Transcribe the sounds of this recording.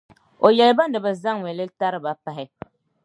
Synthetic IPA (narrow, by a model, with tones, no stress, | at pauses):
o˨jɛ˨lɨ˦ba˦n˦dɨ˨bɨ˨za˦ŋwɛ˨lɨ˦ta˦ɾɨ˦ba˨pa˨ɦɪ˦